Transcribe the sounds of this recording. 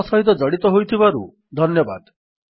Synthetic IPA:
sɔɦit̪ɔd͡ʒɔɽit̪ɔɦojt̪ʰibaɾṵ | d̪ʱɔnjɔba̰d̪

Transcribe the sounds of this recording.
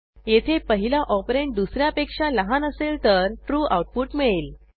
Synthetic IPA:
jet̪ʰepəɦilaʔɔpɾeʈ̚d̪usɾjapekʂaləɦanəselt̪əɾʈɾuːʔa̰wuʈ̚puːʈmeɭel

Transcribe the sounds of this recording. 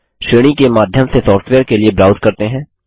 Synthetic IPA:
ʃeːɽ̃ikemaːd̪ʱjəmsesɔːfʈʋeːəɾkeliebɾaːʊzkɐɾt̪eɦɛ̃ː

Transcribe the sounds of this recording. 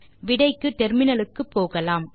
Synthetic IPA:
ʋɪɽɐɪkːɯt̪ɛɾmɪnɐlɯkːɯpːoːɣɐlaːm

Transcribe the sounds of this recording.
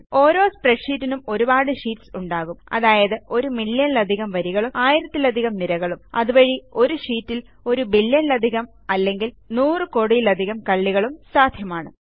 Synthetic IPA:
o̞ːɾo̞ːspreʈʂiːtːinumo̞ɾubaːɽɨʂiːtsuɳɖaːɣumɐ̰ðaːjɐðɨo̞ɾumiɭjɐnlɐd̪ʱiɣɐmʋɐɾiɣɐɭumaːjiɾɐt̪ːilɐd̪ʱiɣɐmniɾɐɣɐɭumɐ̰ðuʋɐɻio̞ɾuʂiːtːil | o̞ɾubilːjɐnlɐd̪ʱiɣɐm | ɐlːe̞ŋɡil | nuːrɨko̞ːɽijilɐd̪ʱiɣɐmkɐɭːiɣɐɭumsaːd̪ʱjɐmaːɳɨ

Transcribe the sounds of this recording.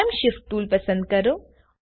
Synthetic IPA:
əmʃift̪uːlpɐsə̃nd̪̚kɐɾo

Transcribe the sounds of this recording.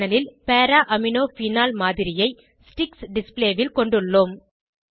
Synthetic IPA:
ɐlɪlpeːɾaːʔɐmɪnoːfiːnaːlmaːðɪɾɪjɐɪ | sʈɪksɖɪspleːʋɪlkɔɳɖɯɭːoːm

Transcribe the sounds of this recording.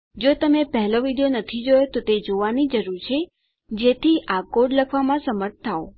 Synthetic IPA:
d͡ʒot̪əmepəɦɛloʋiɖijonət̪ʰid͡ʒojot̪ot̪ed͡ʒoʋanid͡ʒəɾuɾt͡ʃʰe | d͡ʒet̪ʰiʔakoɖləkʰʋamãsəməɾt̪̚ʰt̪ʰːao

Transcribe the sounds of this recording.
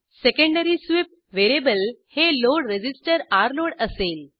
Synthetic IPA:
sekə̃ɳɖəɾisʋip̚ | ʋeɾebəlheloɽɾed͡ʑisʈəɾaɾloɽəsel

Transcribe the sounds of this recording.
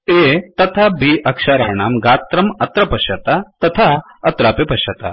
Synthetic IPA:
et̪ɐt̪ʰabʱiʔɐkʂaɾa̰ːɳaːmɡaːt̪ɾɐmɐt̪ɾɐpɐʃɐt̪at̪ɐt̪ʰa | ɐt̪ɾaːpepɐʃɐt̪a̰

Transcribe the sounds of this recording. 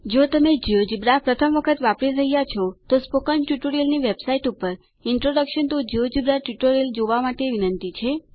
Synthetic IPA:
d͡ʒot̪əmed͡ʒiod͡ʒibɾapɾət̪ʰəmʋəkʰət̪ʋapɾiɾəɦijat͡ʃʰɔt̪ospokənʈjuʈoɾiəlniʋebsaiʈupəɾ | ɪɳʈɾoɖəkʃənt̪od͡ʒiod͡ʒibɾaʈjuʈoɾiəld͡ʒoʋamaʈeʋinənt̪it͡ʃʰe

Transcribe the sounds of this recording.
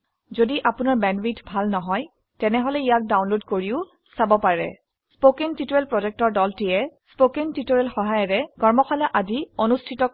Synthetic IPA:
zodiʔapʊnaɹbɛnbitʰbʱalnɔɦɔj | tɛnɛɦɔlɛijak̚dawnlodkoɹiʊ | sabɔpaɹɛ̰ | spokentitoɹɛlpɹɔzɛk̚tɔɹdɔltijɛspokentitoɹɛlxɔɦajɔɹɛɡɔɹmɔxʰalaʔazionustʰitɔ

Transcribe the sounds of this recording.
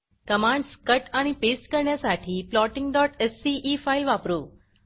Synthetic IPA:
kəmãɳɖskəʈanipesʈkəɾɳjasaʈʰiplɔʈɪŋɡɖɔʈɛsːiʔːfailʋapɾu

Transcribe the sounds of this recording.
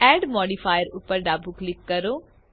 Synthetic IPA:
ɛːɖmɔːɖiːpʰaːjəɾʊpːəɾɖaːbuklɪkːəɾoː

